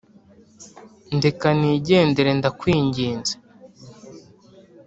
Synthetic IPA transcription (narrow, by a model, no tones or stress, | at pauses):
ndekaniːɟe̞ːndeɾe̞ndakwiːɲɟiːnzḁ